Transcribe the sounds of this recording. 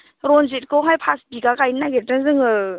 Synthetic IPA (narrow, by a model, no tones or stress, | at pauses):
ɾɔnzit̚kɔwɦajpʰasbiɡakajnaɡetɯnzɯŋɯ